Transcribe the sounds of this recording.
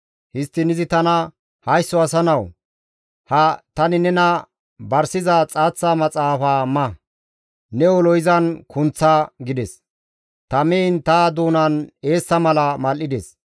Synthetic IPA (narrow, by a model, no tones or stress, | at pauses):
hɪst̪ːɪnɪzɪt̪ɐnɐ | hɐjsːɔɐsɐnɐw | hɐt̪ɐnɪnɛnɐ | bɐɾsɪzɐt͡sʼaːt͡sːamɐt͡sʼaːfaːmɐ | nɛɔlɔjɪzɐnkʊnt͡sːaɡɪd̪ɛs | t̪ɐmɛnt̪ad̪uːnɐne̞ːsːɐmɐlɐmɐlʔːɪd̪ɛs